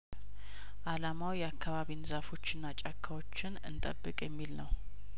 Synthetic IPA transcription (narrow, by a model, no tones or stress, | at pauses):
ʔalamawjɛakʰːaβaβinɨzafo̞t͡ʃːɪnːat͡ʃʼakʰːawo̞t͡ʃːɪnɨ̰nt̪ʼəbːɨkʼjɛmːilnəw